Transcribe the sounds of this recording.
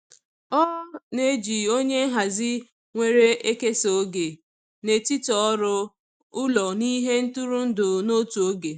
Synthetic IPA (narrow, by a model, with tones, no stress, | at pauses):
ɔ˦ne˦d͡ʒi˨o˦ɲe˦ɦa˨zɪ˦ | ŋʷe˦ɾe˦ʔe˦ke˦so˨˦ɡe˨ | ne˨ti˦tɔ˨˦ɾʊ˦ | ʊ˦lɔ˨ni˦ɦe˦n̩˦tu˦ɾu˦n̩˦dʊ˨no˦tu˨o˦ɡe˨